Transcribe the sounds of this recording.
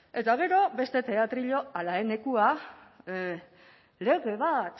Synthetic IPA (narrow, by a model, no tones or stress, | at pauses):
e̞t̪aɣ̞e̞ɾo̞be̞st̪e̞t̪e̞at̪ɾiʎo̞alaene̞kua | le̞ɣe̞β̞at̪